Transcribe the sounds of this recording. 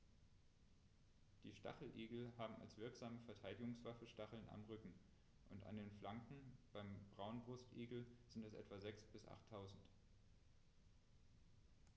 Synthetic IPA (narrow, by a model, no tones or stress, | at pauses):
d̥iːʃta̰χl̩ʔeːɡl̩ɦaːbm̩a̰lsv̥ɪɐkz̥aːməfɛɐtʰaɪdɪɡʊŋsv̥afəʃtaχl̩na̰mʁʏkŋ̩ | ʔʊnta̰ndeːnflaŋkŋ̩b̥aɪmb̥ʁaʊnbʁʊstʔeːɡl̩zɪntɛsʔɛ̰tv̥azɛksb̥ɪsʔa̰χtʰːaʊzn̩t